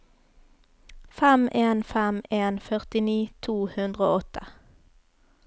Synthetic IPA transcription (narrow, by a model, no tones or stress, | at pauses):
fɛmʔeːnfɛmeːnfœʁt̪ɪniːt̪ʰuːhʉnd̪ʁəo̰ːɔt̪ʰə̥